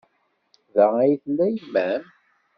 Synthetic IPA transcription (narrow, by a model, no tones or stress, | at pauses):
ðææjθlːæjmːæm